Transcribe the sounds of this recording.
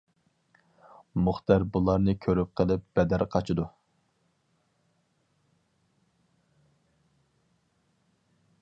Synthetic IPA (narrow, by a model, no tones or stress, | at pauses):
muχt̪ɛɾbulˠɑɾnɨkʲʰøɾyp̚qʰəlˠɪp̚b̥ɛd̪æɾqʰɑt͡ʃʰid̪u